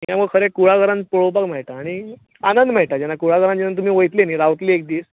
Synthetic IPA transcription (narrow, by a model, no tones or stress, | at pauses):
jaməɡkʰəɾẽkuɭaɡəɾãnpoɭowpakm̤ɛɭt̪aːɽ̃i | anənd̪m̤ɛɭʈ̪ad͡ʑɛnakuɭaɡəɾãnd͡ʑɛnat̪̬um̤iːʋəjt̪leniɾawt̪liek̚d̪iːs